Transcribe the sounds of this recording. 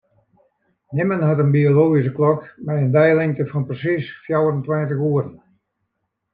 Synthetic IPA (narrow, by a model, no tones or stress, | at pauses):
nɪmənhatənbioloːɣis̬əklɔkmɛjəndɛjlɪŋtəfɔnprəsisfjawərəntwɪntəxuəɾn